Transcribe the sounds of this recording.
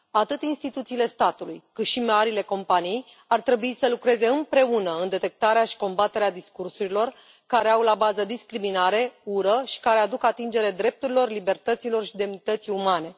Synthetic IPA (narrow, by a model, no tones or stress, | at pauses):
at̪ɨt̪inst̪it̪ut̪siːle̞st̪at̪ulujkɨt̪ʃimaɾile̞ko̞mpanijej | art̪ɾe̞buisəlukɾe̞ze̞ɨmpɾe̞unəɨnd̪e̞t̪e̞k̚t̪aɾeaʃi̥ko̞mbat̪e̞ɾead̪iskursuɾilo̞r | kaɾe̞awlabazəd̪iskɾiminaɾe̞uɾəʃi̥kaɾe̞ad̪ukat̪ind͡ʒe̞ɾed̪ɾe̞p̚t̪uɾilo̞rlibe̞rt̪ət̪silo̞rʃid̪e̞mnit̪ət̪siumane̞